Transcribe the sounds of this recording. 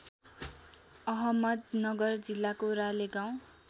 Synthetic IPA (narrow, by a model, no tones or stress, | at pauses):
ʌɦʌmʌd̪nʌɡʌrd͡zilːakoɾaleɡaw̃